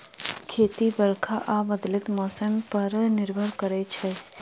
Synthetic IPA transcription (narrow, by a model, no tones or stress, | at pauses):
kʰeːt̪ibəɾkʰaʔaːbəd̪lɪt̪mɔːsəmpɐɾnɪɾbʱəɾkəɾet͡ʃʰɛː